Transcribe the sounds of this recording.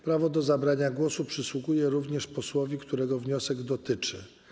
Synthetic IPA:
pɾavɔd̪ɔzabɾaɲaɡwɔsupʂɘswuɡujɛɾuvɲɛʂpɔswɔvʲikt̪uɾɛɡɔvɲɔsɛɡd̪ɔt̪ɘt͡ʂɘ

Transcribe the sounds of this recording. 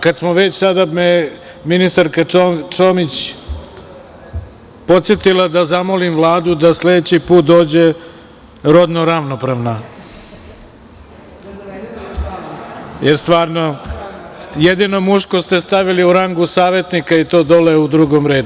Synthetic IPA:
kad̪smoʋe̞t͡ɕsad̪ame | minist̪aɾkat͡ʃomit͡ɕ | po̞t̪sjet̪ilˠad̪azamolimʋlˠaːd̪ud̪asle̞d̪et͡ɕipuːt̪̚d̪o̞ːd͡ʑe | ɾo̞d̪noɾaʋnopɾaʋna | jeɾst̪ʋaːɾno̞ | jed̪ino̞muʃkost̪e̞st̪aʋiliuɾaŋɡusaːʋe̞t̪nikait̪o̞ːd̪o̞leud̪ɾuɡo̞mɾe̞ːd̪u

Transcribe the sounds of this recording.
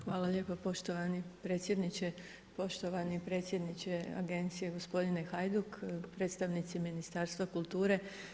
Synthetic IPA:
xʋaːlˠaʎe̞ːpapo̞ʃt̪oʋanipɾe̞ːt̪sʲjed̪nit͡ɕe | po̞ʃt̪oʋanipɾe̞ːt̪sje̞d̪nit͡ɕea̰ɡe̞nt̪sije̞ɡo̞spo̞d̪inexajd̪ukpɾe̞t̪st̪aʋnit̪siminist̪aːɾst̪ʋakulˠt̪uːɾe̞

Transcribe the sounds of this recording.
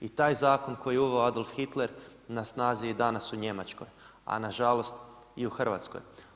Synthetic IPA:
it̪aːjzaːko̞nko̞jieuʋeoad̪olˠfxit̪leɾnasnaːzied̪anasuɲe̞mat͡ʃko̰j | a̰naʒalˠo̞st̪ | iuxrʋa̰t̪sko̰j

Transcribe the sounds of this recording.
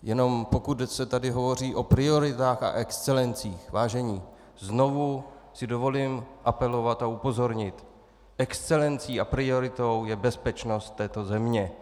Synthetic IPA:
jɛno̞mpo̞kut̪sɛt̪adɪɦo̞vo̞r̝iːʔo̞pɾɪo̞ɾɪt̪aːxa̰ʔɛkst͡sɛlɛnt͡siːxvaːʒɛɲiː | zno̞vu | sɪdo̞vo̞liːmʔapɛlo̞vat̪aupo̞zo̞ɾɲɪt̪ | ʔɛkst͡sɛlɛnt͡siːapɾɪo̞ɾɪt̪o̞wjɛbɛspɛt͡ʃno̞st̪̚ːɛːt̪o̞zɛmɲɛ

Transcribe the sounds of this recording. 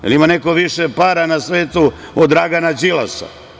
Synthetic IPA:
jḛlimanekoʋiʃepaɾanasʋeːt̪u | od̪ɾaɡanad͡ʒila̰sa̰

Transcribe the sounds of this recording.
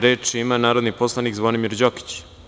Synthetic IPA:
ɾeːt͡ʃiimanaːɾod̪niposlˠanikzʋod̪imiɾd͡ʑoki̥t͡ɕ

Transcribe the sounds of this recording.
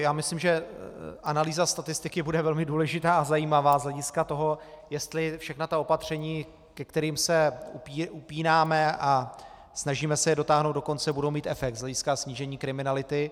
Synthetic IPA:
jaːmɪslɪmʒɛʔanaliːzast̪at̪ɪst̪ɪkɪbudɛvɛlmɪduːlɛʒɪt̪aːazajiːmavaːzlɛɟɪskat̪o̞ɦo̞ | jɛst̪lɪfʃɛxnat̪aopat̪r̝̥ɛɲiː | kɛkt̪ɛɾiːmsɛupiːʔupiːnaːmɛʔa | snaʒiːmɛsɛjɛdo̞t̪aːɦnowtd̪do̞ko̞nt͡sɛbudowmiːt̪ɛfɛk̚t̪zlɛɟɪskasɲiːʒɛɲiːkɾɪmɪnalɪt̪ɪ

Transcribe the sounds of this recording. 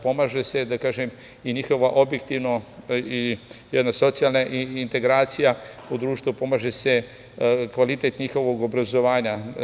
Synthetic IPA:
po̞maːʒese̞d̪akaːʒem | iɲixo̞ʋaʔo̞bjekt̪iʋnoijɛd̪naso̞t̪sijalnaʔint̪e̞ɡɾaːt̪sijaud̪ɾuːʃt̪ʋupo̞maːʒese | kʋalit̪et̪ɲixo̞ʋoɡobɾazo̞ʋaːɲa

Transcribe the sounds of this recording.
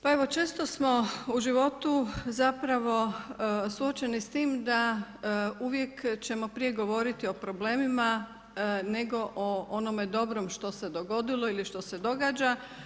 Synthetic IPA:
pae̞ʋo̞t͡ʃe̞ːst̪o̞smo̞uʒiʋo̞t̪uzapɾaʋo̞suo̞t͡ʃe̞nist̪iːmd̪a | uʋje̞kt͡ɕe̞mo̞pɾije̞ɡo̞ʋo̞ɾit̪io̞pɾo̞ble̞ːmima | ne̞ɡo̞ʔoono̞med̪o̞bɾomʃt̪o̞se̞d̪o̞ɡo̞d̪iloiliʃt̪o̞se̞d̪o̞ɡaːd͡ʒa

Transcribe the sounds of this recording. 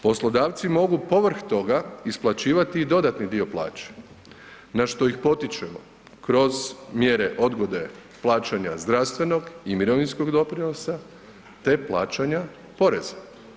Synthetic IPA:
po̞slˠo̞d̪aːʋt̪simo̞ɡupo̞ʋr̩xt̪o̞ɡaisplˠat͡ɕiːʋat̪iːd̪o̞d̪at̪nid̪io̞plˠa̰ːt͡ʃe̥ | naʃt̪o̞ixpo̞t̪it͡ʃemo | kɾo̞zmjeɾeʔo̞d̪ɡo̞d̪e̞ | plˠaːt͡ʃaɲazd̪ɾast̪ʋe̞no̞ɡimiɾo̞ʋinsko̞ɡd̪o̞pɾinosa | t̪e̞plˠa̰ːt͡ʃaɲa | po̞ɾe̞zḁ

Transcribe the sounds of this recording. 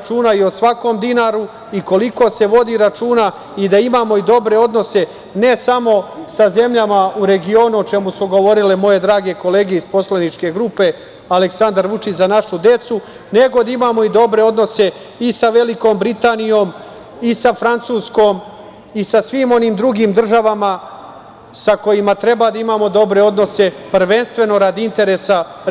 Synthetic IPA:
t͡ʃuːnaio̞sʋako̞ːmd̪inaːɾu | iko̞liko̞se̞ʋo̞d̪iɾat͡ʃuːna | id̪aimaːmo̞id̪o̞bɾe̞o̞d̪no̞se̞ | ne̞samo̞saze̞mʎamauɾe̞ɡioːnuot͡ʃe̞musuɡo̞ʋo̞ɾilemo̞je̞d̪ɾaːɡe̞ko̞le̞ːɡeispo̞slenit͡ʃke̞ɡɾuːpe̞ | aleksand̪aɾʋut͡ʃit͡ɕzanaʃud̪e̞t̪su | ne̞ɡo̞d̪aimaːmo̞id̪o̞bɾeo̞d̪no̞se̞ | isaʋe̞liko̞ːmbɾit̪aːnijo̞ːm | isafɾant̪suːsko̞ːm | isasʋiːmo̞niːmd̪ɾuɡiːmd̪r̩ʒaʋama | sako̞jimat̪ɾe̞bad̪aimaːmo̞d̪o̞bɾe̞o̞d̪no̞se̞pr̩ʋe̞nst̪ʋe̞no̞ɾad̪iint̪e̞ɾesa

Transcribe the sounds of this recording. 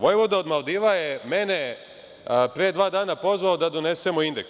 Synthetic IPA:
ʋojeʋod̪aod̪malˠd̪iʋajeme̞ne̞ | pɾied̪ʋaːd̪aːnapo̞zʋaod̪ad̪o̞ne̞se̞moind̪e̞ks

